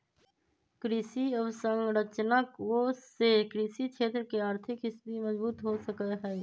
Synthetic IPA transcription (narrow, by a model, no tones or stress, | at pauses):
kɾɪsiɔʋsə̃ŋɡɾət͡ʃənəkʋosekɾɪsikʃʰeːt̪ɾəkeaːɾt̪ʰɪkɦɪsbimɐzbuːt̪ɦosəkəɦɛː